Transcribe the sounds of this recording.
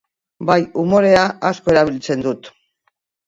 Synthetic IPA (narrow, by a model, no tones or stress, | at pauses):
bajumo̞ɾe̞aʔasko̞e̞ɾaβ̞ilt͡se̞nd̪ut̪